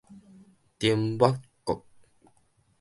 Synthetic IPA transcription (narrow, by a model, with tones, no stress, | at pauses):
t̪i˨mba˦kkːo˨k̚